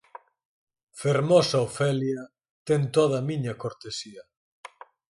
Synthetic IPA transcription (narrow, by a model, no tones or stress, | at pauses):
feɾmɔsaofɛljɐ | t̪ɛnt̪oð̞ɐmiɲɐkoɾt̪esiɐ